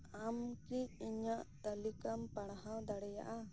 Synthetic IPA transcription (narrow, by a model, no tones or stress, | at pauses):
amkiiɲaʔt̪alikampaɽ̃ɦawd̪aɽɛja̰ʔa